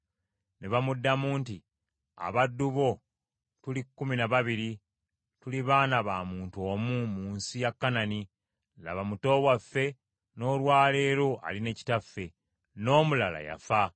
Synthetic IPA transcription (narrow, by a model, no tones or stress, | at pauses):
neβamudːamuːnti | a̰βadːuβo̞ | tulikːuminaβaβiɾi | tuliβaːnaβaːmuːntuo̞ːmumuːnsijakːanani | la̰βamuto̞ːwafːe̞ | no̞ːlwaːle̞ːɾo̞ʔa̰line̞ːci̥tafːe̞ | no̞ːmulala̰ja̰fa